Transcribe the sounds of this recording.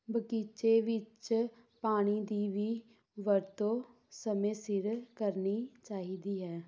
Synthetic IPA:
bəkiːt͡ʃeːʋɪt͡ʃ | paːɽ̃iːd̪iːʋiː | ʋəɾt̪õː | səmẽːsɪɾkəɾniːt͡ʃaːɦiːd̪iːɦɛː

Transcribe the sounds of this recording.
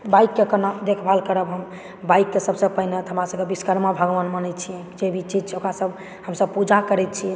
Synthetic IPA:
baikːekənad̪ekʰbʱalkəɾəbɦəm | bajkːesəbsə̃pəɦnet̪ɦəmɾasəbkebiskəɾmabʱəɡʋənmənɛt̪̚t͡ʃʰiɛ̃d͡ʒebʱit͡ʃid͡ʒt͡ʃʰɛokɾasəb | həmsəb̚pud͡ʒakəɾɛt̪̚t͡ʃʰiɛ̃

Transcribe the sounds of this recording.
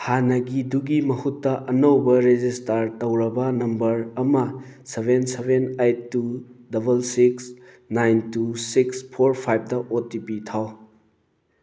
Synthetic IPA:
hanɐɡiduɡimɐhutːɐʔɐnɐwbɐɾed͡ʒistaɾtɐwɾɐbɐnɐmbɐɾɐmɐsebensebenajtːudɐbɐlsiks | najntusikspʰoɾpʰajb̚dɐʔotipitʰaw

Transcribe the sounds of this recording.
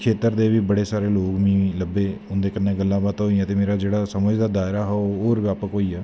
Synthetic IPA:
kʰeːt̪əɾd̪eːʋiːbəɽeːsaːɾeːloːkmĩːləbːeːʊnd̪eːkənːẽːɡəlːãːbaːt̪ɦoːiãːt̪eːmeːɾaːd͡ʒeːɽaːsəməd͡ʒd̪aːd̪aːɪɾaːɦɛɦoːɾʋjaːpəkoːiːɛː

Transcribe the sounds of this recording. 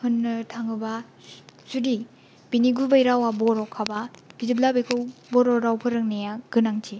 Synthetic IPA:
hɯnːɯtʰaŋɯba | sudi | biniɡubajɾawabɔɾɔkʰababizib̚labekʰɯwbɔɾɔɾawpʰɯɾɯŋnejaɡ̥ɯnaŋtʰi

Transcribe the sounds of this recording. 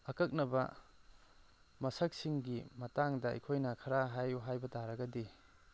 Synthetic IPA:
ɐkɐk̚nɐbɐ̰ | mɐsɐk̚siŋɡimɐtaŋdɐɐ̰jkʰojnɐkʰɐɾaɦajuɦajbɐtaɾɐɡɐdi

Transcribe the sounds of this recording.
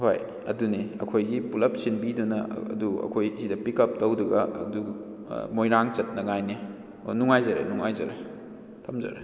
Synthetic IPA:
ho̰j | ɐduniɐ̰kʰojɡipulɐp̚sinbidunɐɐ̰duɐ̰kʰojsidɐpikɐp̚tɐwduɡɐɐ̰du | mojɾaŋt͡ʃɐt̚nɐŋajni | onuŋajzɐɾḛnuŋajzɐɾḛ | tʰɐmzɐ̰ɾe

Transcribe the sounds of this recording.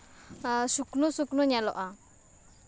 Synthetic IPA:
suknusuknuɲɛlɔʔa

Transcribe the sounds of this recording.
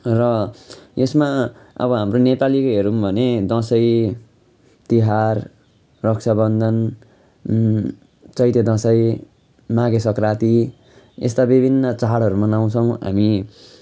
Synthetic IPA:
rʌ | esmaʌ̰bʌɦamronepalikoɦeɾumbʱʌned̪ʌ̃sʌj | t̪iɦarː | ʌksʰabʌnd̪ʱʌn | t͡sʌjt̪ed̪ʌ̃sʌj | maɡesʌkrat̪i | ḛst̪abibʱinːʌt͡saɦaɽʌɾumanaw̃t͡sʰʌw̃ɦa̰mi

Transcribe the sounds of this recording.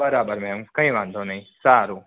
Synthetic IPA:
ɐɾaːbəɾmɛ̃mkɐ̃ĩʋɐ̃nd̪ʱonɐĩsaːɾu

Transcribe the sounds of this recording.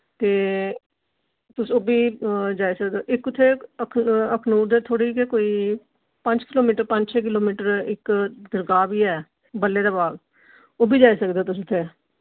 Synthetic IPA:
t̪eː | t̪ʊsoːbʱiːd͡ʒaːisəkd̪oːʔɪkʊt̪ʰːeːəkʰəkʰnuːɾd̪eːt̪ʰoːɽiːkekoːiː | pəɲd͡ʒkɪloːmiːʈəɾpə̃ɲd͡ʒt͡ʃʰẽːk̬ɪloːmiːʈəɾɪkd̪əɾɡaːbiːɛː | bəleːd̪aːbaːɡ | oːbʱiːd͡ʒaːiːsəkd̪eːt̪ʊs̬ʊt̪ʰːeː

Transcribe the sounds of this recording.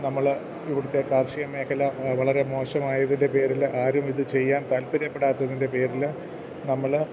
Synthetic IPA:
nɐmːɐɭ | iʋiɽut̪ːe̞kaːrʂijɐme̞ːkʰɐlɐʋɐɭɐɾe̞mo̞ːɕɐmaːjɐðinde̞pe̞ːɾilʔaːɾumiðɨt͡ɕe̞jːaːnt̪ɐlpiɾɐpːe̞ɽaːt̪ːɐðinde̞pe̞ːɾil | nɐmːɐɭ

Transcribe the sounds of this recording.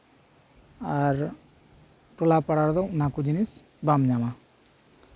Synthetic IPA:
aɾ | ʈulapaɽaɾd̪onakud͡ʒinis | bamɲama

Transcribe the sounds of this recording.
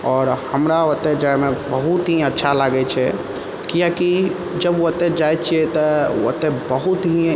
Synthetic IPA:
ɔːɾhəmɾaʋət̪ːed͡ʒajmẽbəɦut̪ɦĩətːʃʰalaɡɛt͡ʃʰɛ | kijaki | d͡ʒəbət̪ed͡ʒajt͡ʃʰiɛt̪əə̰t̪ebəɦut̪ɦi

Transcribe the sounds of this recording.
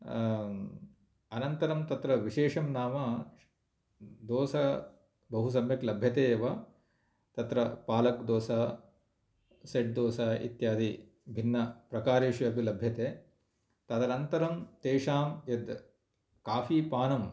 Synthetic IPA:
ɐnɐnt̪ɐɾɐmt̪ɐt̪ɾɐʋiʃeːʂɐmnaːmɐ | d̪oːsɐ | bɐɦus̬ɐmjɐklɐbʱjɐt̪eːʋɐ | t̪ɐt̪ɾɐpaːlɐkd̪oːsaː | seʈ̚d̪oːsaːḭt̪jaːd̪i | bʱinːɐpɾɐkaːɾeːʃʋiɐpilɐbʱjɐt̪eː | t̪ɐd̪ɐɾɐnt̪ɐɾɐmt̪eːʂaːmjɐd̪ | kaːfiːpaːnɐm

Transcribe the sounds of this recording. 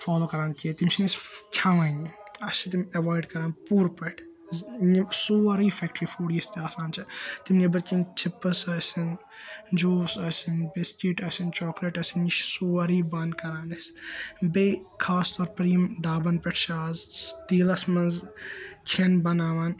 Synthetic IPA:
faːloːkɐɾaːnkit̪imsiniskʲʰaʋɐːniɐst͡ʃʰit̪̬imʲɐʋaːjɖkɐɾaːnpuːɾpɐʈʰ | nisoːɐɾiːfɛk̚ʈɾiːfoːɽijist̪eaːsaːnt͡ʃʰɐt̪imnibɐɾkint͡ʃʰipːɨsɐsin | d͡ʒoːsɐsinbeskiʈɐsint͡ʃɔːkleʈɐsiniʃsoːɐɾiːbɐnkɐɾaːnɐsbekʰaːst̪ɔɾpɾiːmɖaːbɐnpeʈʰʃʰaːzt̪iːlɐsmɐnzkʰenbɐnaːʋaːn

